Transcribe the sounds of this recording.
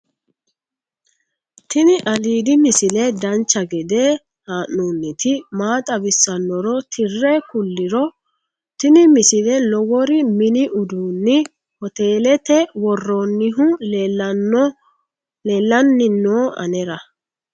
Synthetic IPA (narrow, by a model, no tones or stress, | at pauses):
t̪ɪnɪʔɐliːd̪ɪmɪsɪlɛd̪ɐnt͡ʃːɐɡɛd̪ɛ | haːʔːunːɪt̪ɪmaːt̪ʼɐbɪsːɐnːɔɾɔt̪ʰɪrːɛkʊlːɪɾɔ | t̪ɪnɪmɪsɪlɛlɔwɔɾɪmɪnɪʔʊd̪uːnːɪ | hɔt̪eːlɛt̪ɛwɔrːɔnːɪɦʊlː | leːlːɐnːɪnːoːʔɐ̰nɛɾɐ